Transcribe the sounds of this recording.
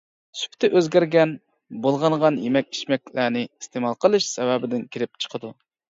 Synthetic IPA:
sy̥pt̪ʰɪʔøzɡʲæɾɡʲɛn | bolˠʁɑɴʁɑnjemɛk̚ʲi̥ʃmɛkʲlæːnɪist̪emɑlˠqʰəlˠɨʃsɛvɛbɪd̪ɪnkʲʰiɾɪp̚t͡ʃʰə̥qʰəd̪u

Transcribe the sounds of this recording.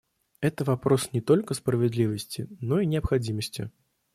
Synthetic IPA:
ɛt̪əvapɾosnʲɪt̪olʲkəspɾəvʲɪd̪lʲivəsʲt͡sʲɪnoinʲɪɐpxad͡zʲiməsʲt͡sʲɪ̰

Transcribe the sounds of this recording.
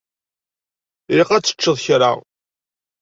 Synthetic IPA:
ɾiqæt͡sːə̥t͡ʃːəðˤçɾa̰ʁ

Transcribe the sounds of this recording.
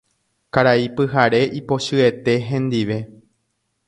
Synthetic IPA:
kaɾaipɨɦaɾe̞ʔipo̞ʃɨe̞t̪e̞ɦẽ̞nd̪iʋe̞

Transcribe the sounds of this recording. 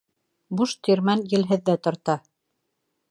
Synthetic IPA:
buʃt̪ʰiɾmænjɘ̆lɦɘ̆ðːæt̪ŏɾt̪ɑ

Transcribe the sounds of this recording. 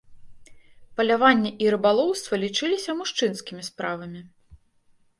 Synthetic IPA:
pɐlʲavanʲːɛʔiɾɨbalˠɔwst̪vɐlʲit͡ʂɨlʲisʲɐmuʂt͡ʂɨnskʲimʲispɾavɐmʲi

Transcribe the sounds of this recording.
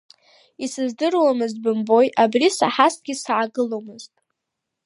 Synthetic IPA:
isɨzdɨrwamɨzbɨmbo̞jʔabrisa̰ħasɡʲisʕaɡɨlo̞mɨztʼ

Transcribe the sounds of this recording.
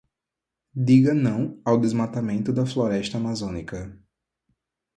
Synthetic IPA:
d̪iɡɐnɐ̃w̃awd̪ezmat̪amẽnt̪ʊd̪ɐfloɾɛʃt̪ɐːmazõnikɐ

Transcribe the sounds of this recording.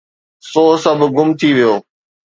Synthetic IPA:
soːsəbʱɡʊmt̪ʰiʋijoː

